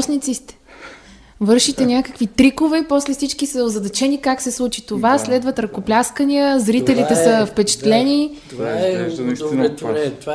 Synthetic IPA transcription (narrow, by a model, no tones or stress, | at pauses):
snit̪sist̪ɛ̥ | vɤɾʃit̪ɛnʲakəkvit̪ɾikovɛpɔslɛfsit͡ʃkisəozɐd̪ɐt͡ʃɛnikaksɛslˠut͡ʃit̪ovaslɛd̪vət̪ɾɐkoplʲaskəniəzɾit̪ɛlit̪ɛsəfpɛt͡ʃɛ̥t̪lɛnʲi